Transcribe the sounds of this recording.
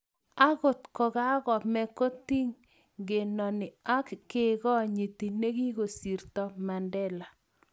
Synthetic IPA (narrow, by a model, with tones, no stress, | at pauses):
a˦ɣʊ˨t̪kɔ˨ɣa˦ɣɔ˨mɛ˦ko˦t̪i˦ŋ | ɡe˨nɔ˨nɪ˨a˦kkɪ˦ɣɔ˦ɲi˨t̪i˨ne˦ɣi˦ɣo˨si˨ɾt̪ɔ˨ma˨ndɛ˦la˨